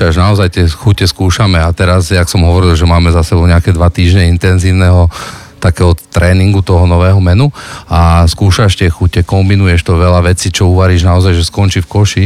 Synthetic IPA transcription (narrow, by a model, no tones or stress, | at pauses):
aʒnaɔzajt̪ɛxucɛskuːʃamɛat̪ɛɾazjaksɔmɦɔʋɔɾilˠʒɛmaːmɛzasɛbɔʊɲɛakɛd̪ʋat̪iːʒɲɛint̪ɛnziːʊnɛɦɔ | t̪akɛːɦɔt̪ɾɛːniŋɡut̪ɔɦɔnɔʋɛːɦɔmɛnuaskuːʃaʃt̪ɪɛxucɛkɔmbinujɛʃt̪ɔʋɛʎaʋɛt͡siːt͡ʃɔuʋaɾiːʒnaɔzajʒɛskɔnt͡ʃiːfkɔʃi